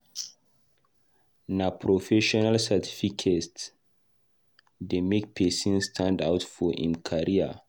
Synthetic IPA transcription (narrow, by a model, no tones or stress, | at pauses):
napʰɾofɛʃɔnalsatʰifikʰe | demek̚pʰɛsĩnstʰãndawtfɔḭ̃nkʰaɹia̰